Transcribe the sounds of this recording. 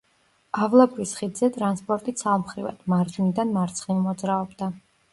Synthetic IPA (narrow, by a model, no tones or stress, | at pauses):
avlˠapʰʼvisχid̪zɛt̪ʼɾanspʼɔɾt̪ʼit̪sʰamχɾiva̰d̪̥maɾd͡ʒinid̪anmaɾt̪sʰχimɔd̪zɾaɔbd̪a